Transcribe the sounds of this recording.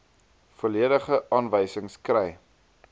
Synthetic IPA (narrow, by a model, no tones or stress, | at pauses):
foliədəχəʔɑːnvəjsəŋskrɛj